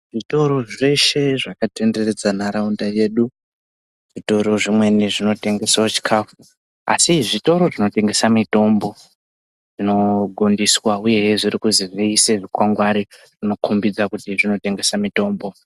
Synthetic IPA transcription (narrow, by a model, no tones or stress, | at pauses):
ʐito̞ɾo̞ʐe̞ʃe̞ʐakate̞nde̞re̞d͡zanaɾaundaje̞ːɗu | ʐ̥ito̞ɾo̞ʐimwe̞niʐino̞te̞ŋɡe̞swot͡ʃi̥kʰaːfu | a̰siʐito̞ɾo̞ʐino̞te̞ŋɡe̞samito̞mbo̞ | ʐ̥ino̞ɡʱondiswauje̞jʐirikuziʐiːse̞ʐikwaŋɡwaɾiʐ̥ino̞kumbid͡zakutiʐino̞te̞ŋɡe̞samito̞ːmbo̞